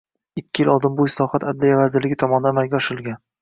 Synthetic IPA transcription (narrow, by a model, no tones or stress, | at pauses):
ɪkʲʰːɪjɪlʔɒlˠd̪ɪmbʊɪslˠɒhat̪ʰad̪lijavazɪɾlɪɡʲɪt̪ʰɒmɒnɪd̪anmajʲɡʲaɒʃɪlˠɡʲan